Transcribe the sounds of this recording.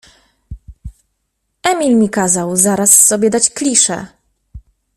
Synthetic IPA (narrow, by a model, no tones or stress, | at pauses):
ɛmʲilmʲikazawzaɾasːɔbʲjɛd̪at͡ɕklʲiʂɛ̰